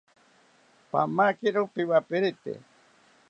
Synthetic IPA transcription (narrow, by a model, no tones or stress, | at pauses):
pa̰makiɾupiwapiɾit̪ḛ